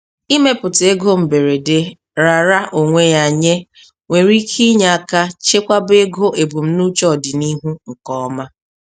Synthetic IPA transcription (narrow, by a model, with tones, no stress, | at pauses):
i˦me˦pʊ˨te˦ɡo˦m̩˨be˨ɾe˨de˦ | ɾa˨ɾa˦ʔo˨ŋʷe˦ja˨ɲe˦ | ŋʷe˨ɾi˦kʰi˦ɲa˨a˨ka˦t͡ʃe˦kʷa˦be˦ɡo˦e˨bu˨m̩˦nu˦t͡ʃɔ˦˨dɪ˨ni˦ɦu˦ŋ̩˨kɔ˦ma˦